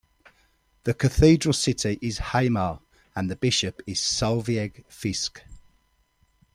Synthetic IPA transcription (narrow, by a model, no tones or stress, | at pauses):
ðəkʰəθiːdɹəlˠsɪtʰɪʔɪz̥haɪmɑː | ə̃nðəbɪʃəpɪz̥sʌlˠviɛɡ̥fɪsk